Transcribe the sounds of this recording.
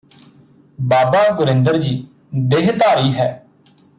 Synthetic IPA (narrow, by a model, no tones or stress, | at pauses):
baːbaːɡʊɾɪ̃nd̪əɾd͡ʒiː | d̪eɦt̪aːɾiːɦɛː